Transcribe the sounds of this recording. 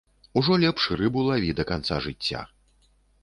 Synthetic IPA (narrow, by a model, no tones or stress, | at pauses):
uʐɔlʲɛpʂɨɾɨbulˠavʲid̪ɐkant̪saʐɨt͡sʲːa̰